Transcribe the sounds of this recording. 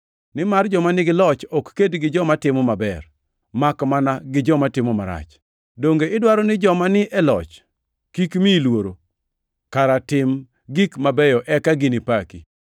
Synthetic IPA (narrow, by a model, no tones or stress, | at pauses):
nɪmard͡ʒɔmanɪɡɪlɔt͡ʃɔkːedɡɪd͡ʒɔmatɪmɔmabɛr | makmanaɡɪd͡ʒɔmatɪmɔmaɾa̰t͡ʃ | doŋɡeɪdwaɾɔnɪd͡ʒɔmanɪʔɛlɔ̰t͡ʃ | kikmilwoɾo | kaɾatɪm | ɡikmabɛjɔʔɛkaɡɪnɪpaki